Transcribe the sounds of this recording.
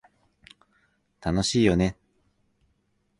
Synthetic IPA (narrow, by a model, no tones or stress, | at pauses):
t̪ano̞ɕiːjo̞ne̞